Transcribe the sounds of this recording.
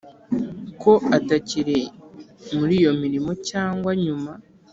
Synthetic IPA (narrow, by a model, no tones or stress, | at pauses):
kʰo̞ataciɾe̞ | muɾijo̞miɾimo̞caːŋɡwaɲuma